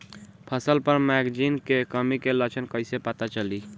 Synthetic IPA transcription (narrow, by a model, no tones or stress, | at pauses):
pʰəsəlpəɾmɛɡd͡ʒinkekəmikelət͡ʃʰənkəɪsepat̪at͡ʃəli